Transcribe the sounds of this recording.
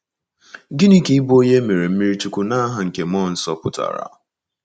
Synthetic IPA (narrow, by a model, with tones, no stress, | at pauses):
ɡɪ˦ni˦ki˦i˦bo˦je˦me˨ɾe˨m̩˦mi˦ɾi˦t͡ʃu˦kʷu˨na˦ɦa˨ŋ̩˨ke˨m˦ɔ˦˨n̩˦sɔ˦pʊ˦ta̰˨ɾa̰˨